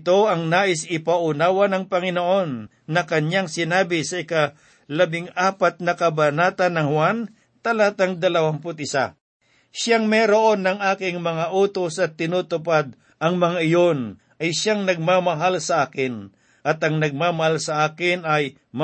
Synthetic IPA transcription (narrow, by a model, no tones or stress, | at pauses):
t̪o̞ɐŋnaːʔɪsɪpaʔʊnaːwɐnɐŋpɐŋɪnoʔo̞nː | ɐkɐɲaŋsɪnaːbɪsɐɪka | lɐbɪŋaːpat̪̚nɐkɐbɐnaːt̪ɐnɐŋhwan | t̪ɐlaːt̪ɐŋd̪ɐlɐwampʊt̪̚ɪsa̰ | ʃaŋmɛɾoʔo̞nːɐŋʔaːkɪŋmɐŋaʔuːt̪osɐt̪ːɪnuːt̪ʊpad̪̚ | ʔɐŋmɐŋaʔɪjo̞n | ɐjʃaŋnɐɡ̚mamɐɦalsɐʔaːkɪn | ʔɐt̪ɐŋnɐɡ̚maːmɐhalsɐʔaːkɪnɐj | m